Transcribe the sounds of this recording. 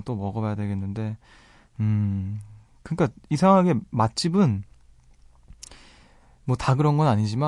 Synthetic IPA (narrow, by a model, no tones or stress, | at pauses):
t͈omʌɡʌajadwe̞ɡe̞nːɯnde̞ | ɯ | kɯɲik͈aisʰaŋɦaɡe̞mat̚t͡ɕ͈ʰibɯn | mwʌtaɡɯɾʌnɡʌnaɲid͡ʑima